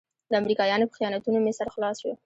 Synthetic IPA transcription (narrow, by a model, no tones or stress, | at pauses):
d̪əamɾikɑjɑnopə̥xijɑnat̪unomɪsaɾxlɑswi